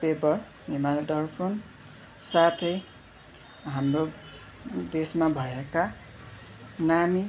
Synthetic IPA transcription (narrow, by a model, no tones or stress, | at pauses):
pebʌr | nemald̪ʌrpʰon | sat̪ʰʌj | ɦamro | d̪esmabʱʌeka | nami